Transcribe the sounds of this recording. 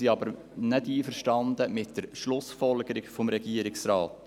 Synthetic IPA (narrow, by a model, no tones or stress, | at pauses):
iɑbəɾ | nɛdiːfəɾʃtɑnd̪əmɪt̚d̥əɾʃlʊsfɔlɡəɾɪɡfɔmɾɛɡ̥iəɾɪksɾɑːt̪